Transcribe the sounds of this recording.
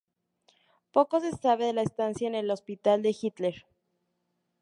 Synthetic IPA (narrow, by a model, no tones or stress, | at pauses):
po̞ko̞s̬e̞saβe̞ðe̞laest̪ansjaene̞lo̞spit̪ald̪e̞xit̪le̞ɾ